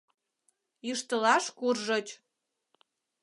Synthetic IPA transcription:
jiʃt̪əlɑʃkurʒɤ̆t͡ɕ

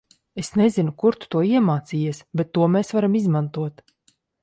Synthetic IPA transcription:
esnezinukuɾt̪u̥t̪uɔiɛmaːt̪siːjɛsbet̪ːuɔmeːsvaɾamizmant̪uɔt̪

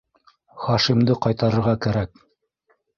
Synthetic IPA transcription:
χɑʃimd̪ɤqɑjt̪ɑɾɤ̆ɾʁɑkæɾæk̚

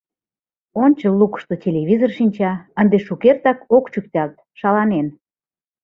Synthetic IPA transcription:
onʲt͡ɕəlːukə̥ʃt̪otʲelʲeβʲizorʃinʲt͡ɕɑənd̪eʃukert̪ɑkokt͡ɕyk̚t̪ʲɑlt̪ | ʃɑlɑnen

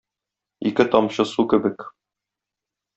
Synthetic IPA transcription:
ikɘt̪ɒmɕɤsukɘ̆bɘk

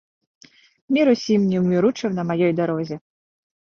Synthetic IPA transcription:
mʲiɾusʲimnʲiwmʲiɾut͡ʂɐmnɐmajɔjd̪aɾɔzʲi

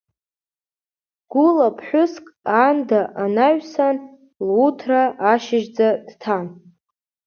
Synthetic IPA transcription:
ɡ̥ʊlapʰħʷʊskʼandaʔanaɥʷsan | lutʰraʔːʃɪʒd͡zad̥tʰan

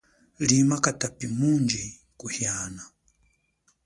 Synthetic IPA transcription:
limakatapimund͡ʒi | kuhjana

